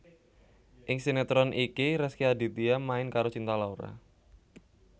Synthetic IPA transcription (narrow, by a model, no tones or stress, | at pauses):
ʔɪŋsinɛt̪ɾɔnʔikiɾɛskiadi̤t̪iamaɪnkaɾot͡ʃint̪alauɾa̰